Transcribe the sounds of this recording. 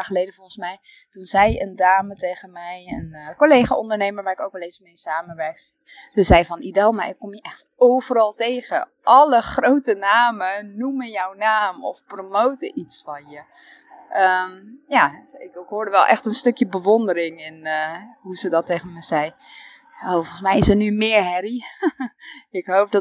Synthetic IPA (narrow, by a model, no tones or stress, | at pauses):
χəlejdəfɔlˠχənsmɛj | tunzɛjəndaːmətejχənmɛjənkolejχaʔɔndəɹnejməɹʋaːɹɪkowkʋɛlˠetsmejsaːməʋɛɹks | təzɛjvɑnidɛlˠmaɹɪkːɔmjəʔɛχtowvəɾɑlˠtejɣə̰ | ʔɑləχrowtənaːmənumənjɔwnaːmɔfpromowtəʔitsfɑnjə | ʔəmjaɪkɦoːɹdəʋɛlˠʔɛ̰xtənstɵkjəbəʋondəɾɪŋɪnɦuzədɔtejχənməz̥ɛj | oːfɔlˠnsmɛjɪsənymɪːɹɦɛɾi | ɪkɦowp̚dɔ